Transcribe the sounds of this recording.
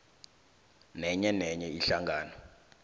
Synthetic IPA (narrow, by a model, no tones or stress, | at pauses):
nɛɲɛnɛɲɛiɬaŋɡaːnɔ